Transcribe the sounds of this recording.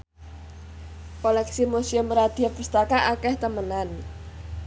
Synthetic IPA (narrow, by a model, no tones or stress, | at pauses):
kolɛksimosiʊmɾad̪̥iapəst̪akaʔakɛht̪əmənan